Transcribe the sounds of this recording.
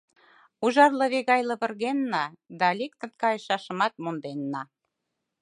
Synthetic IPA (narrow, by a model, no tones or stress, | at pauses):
uʒɑrlɤ̆βeɣɑjlɤ̆βə̆rɣenːɑd̪ɑlʲek̚t̪ə̆nkɑjəʃɑʃə̆mɑt̪̚mond̪enːɑ